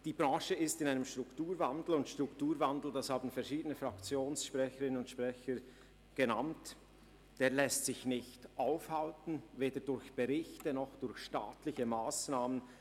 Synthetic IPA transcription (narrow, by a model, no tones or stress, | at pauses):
d̥iːbʁɑ̃ːʃəɪstɪnaɪnəmʃtʁ̥ʊktuːɾvandl̩ʊntʃtʁ̥ʊktuːɾvandl̩d̥ɑshaːbn̩fɛɐʃiːdənəfʁakt͡sjoːnsʃpʁɛçəɾɪnənʊntʃpʁ̥ɛçə | ɡ̥əna̰nt | d̥eːɐlɛstsɪçnɪçtʔaʊfhaltn̩veːdədʊɾçb̥əʁɪçtənɔχd̥ʊɾçʃta̰ːtlɪçəmaːsnaːmən